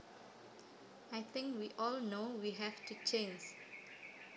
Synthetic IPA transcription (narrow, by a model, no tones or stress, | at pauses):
ajθɪ̃ŋkwiʔɔlnowiɦɛvtut͡ʃʰẽnd͡ʒ